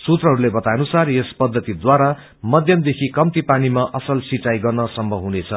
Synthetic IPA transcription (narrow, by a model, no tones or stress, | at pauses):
sut̪rʌɦʌɾulebʌt̪ajnusarjespʌd̪ʱːʌt̪id̪waɾa | mʌd̪ʱjʌmd̪ekʰikʌmt̪ipanimaʔʌsʌlsit͡sajɡʌrnʌsʌmbʌɦunet͡sʰʌ